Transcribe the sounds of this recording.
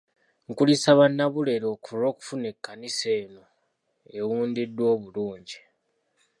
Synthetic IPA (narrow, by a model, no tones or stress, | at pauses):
ŋkulisaβanːaβule̞ɾo̞ːkʰuɾo̞ːku̥fune̞kːaniseːno̞ | e̞wuːndidːwo̞ːβuluːɲɟi